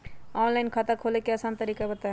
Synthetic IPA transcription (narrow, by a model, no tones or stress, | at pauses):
ɔːnlaɪnkʰat̪akʰoːlekeɐsãːnt̪əɾiːkabət̪aɦ